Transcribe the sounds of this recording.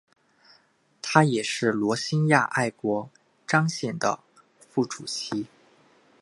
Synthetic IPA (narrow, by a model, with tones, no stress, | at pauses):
t̪ʰa˥jɛ˨˩ʂɻ̩˥˩lwɔ˧˥ɕi˥nja̰˥˧ʔa˥˩ɪkwɔ˧˥ | ʈ͡ʂɑ˥ŋɕjɛ˥˩nd̪ə̰˩ | fu˥˩ʈ͡ʂu˨˩t͡ɕʰi˧˥